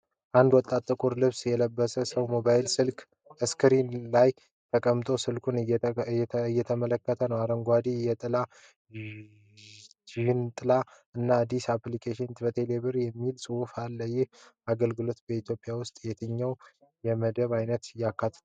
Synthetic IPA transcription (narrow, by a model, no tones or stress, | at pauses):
ʔand̪wɔt̪ʼːat̪ʼːɨkʼuɾlɨβsjɛləbːəsəsəwmo̞βajɪlsɨlkʰʼ | əskʰɨɾinlaj | t̪ʰəkʼəmt̪ʼo̞sɨlkʰunːɛɨjːɛt̪ʰəmələkːət̪ʰənəwaɾəŋɡʷad̪ijɛt̪ʼɨla | t̪ʰihnt̪ʼɨla | ɨnːaːd̪ːisaplikʰeʃint̪bət̪ʰeleβɨɾjɛmːilsʼɨwufalːəjɪhaɡəlɡɨlo̞t̪bəit̪ʰjo̞pʼjawʊst̪ʼjɛt̪ʰəɲːəw | jɛməd̪əβajnət̪ɨjːakʰːat̪ʰːə̥